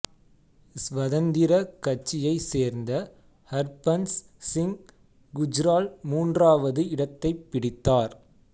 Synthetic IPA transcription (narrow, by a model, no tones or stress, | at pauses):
sʋɐðɐnd̪ɪɾɐkɐt͡ʃːɪjɐɪseːɾnd̪ɐ | hɐɾpɐns | sɪŋ | ɡʊd͡ʒɾaːlmuːndraːʋɐðɯɪɽɐt̪ːɐɪpːɪɽɪt̪ːaːɾ